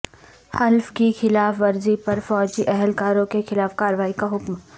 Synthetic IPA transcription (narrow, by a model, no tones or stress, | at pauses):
hɐlfkixɪlaːfʋɐɾzipɐɾfɔːd͡ʒiʔɛɦɛlkaːɾõkexɪlaːfkaːɾʋaːikaɦʊkm